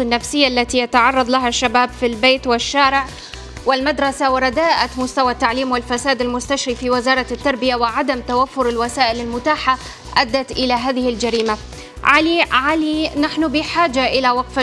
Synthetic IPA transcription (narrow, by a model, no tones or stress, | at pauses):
ɪnːafsɪjːaʔlːat̪ijat̪ɑʕɑrˤːɑðˤlaɦaʃːabaːbfilbeːt̪wɪʃːaːɾɪʕ | wɪlmad̪ɾˤɑsawɪɾˤɑd̪aːʔamʊst̪awat̪ːaʕliːmwɪlfasaːd̪almʊst̪aʃɾifiwɪzɑːɾˤɑt̪ːɑɾˤbɪjawɪʕad̪amt̪awafːʊɾalwasaːʔɪlalmʊt̪aːħa | ʔad̪ːat̪ʔɪlaɦaːðɪhɪld͡ʒaɾiːma | ʕaliʕalinaħnʊbɪħaːd͡ʒaʔɪlawɑɡfa